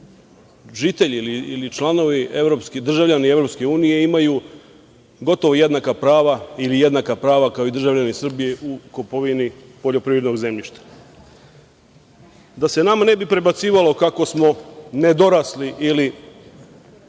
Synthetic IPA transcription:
ʒit̪e̞ʎiliilit͡ʃlˠano̞ʋie̞vɾo̞pskid̪r̩ʒaʋʎanie̞vɾo̞pske̞uːnije̞imaju | ɡo̞t̪o̞ʋoje̞d̪nakapɾaːʋailije̞d̪nakapɾaːʋakaoid̪r̩ʒaʋʎanisr̩bije̞ʔuko̞po̞ʋini | po̞ʎo̞pɾiːʋɾed̪no̞ɡze̞mʎiʃt̪ḁ | d̪ase̞namanebipɾe̞bat̪siːʋalˠo̞kako̞smo̞ne̞d̪o̞ɾasliʔili

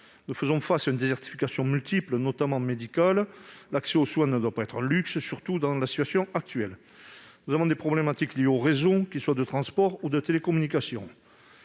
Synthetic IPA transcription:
nufəzɔ̃fasaynd̪ezɛʁt̪i̥fikasjɔ̃mylt̪iplənɔt̪amɑ̃med̪ikallakseoswɛ̃nəd̪wapaɛt̪χəlykssyʁt̪ud̪ɑ̃lasit̪ɥasjɔ̃ak̚t̪ɥɛl | nuzavɔ̃d̪epχɔblemat̪iklijeoʁezokʲiswad̪ət̪χɑ̃spɔʁud̪ət̪elekɔmynikasjɔ̰̃

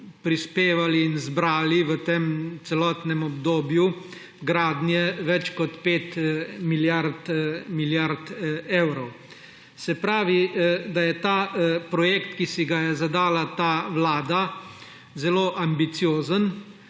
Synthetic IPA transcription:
pɾispeːʋaliːnzbɾaːliʋət̪eːmt̪sɛlɔːt̪nɛmɔbd̪oːbju | ɡɾaːd̪njɛʋɛt͡ʃkɔt̪peːt̪miljaɾt̪miljaɾt̪eːwɾɔw | sɛpɾaːʋid̪ajɛt̪aːpɾɔjeːkt̪kisiɡajɛzad̪aːlat̪aʋlaːd̪a | zɛloːʔambit̪sijoːzən

